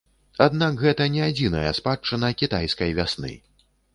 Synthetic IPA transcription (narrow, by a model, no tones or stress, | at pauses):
ad̪nakɣɛt̪ɐnʲɛad͡zʲinɐjɐ̰spat͡ʂːɨnɐkʲit̪ajskɐjvʲasnɨ̰